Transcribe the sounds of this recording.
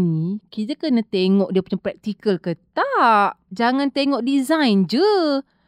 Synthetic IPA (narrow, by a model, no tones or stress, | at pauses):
nikit̪əkənat̪eŋɔʔdiəpuɲapɾɛk̚t̪ikəlkət̪aʔd͡ʒaŋãnt̪eŋɔʔdizãjnd͡ʒə